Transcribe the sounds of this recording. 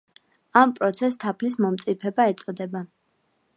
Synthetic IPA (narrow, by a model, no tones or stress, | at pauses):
ampʼɾɔt̪sʰɛst̪ʰapʰlis̬mɔmt̪sʼipʰɛbaɛt̪sʼɔd̪ɛba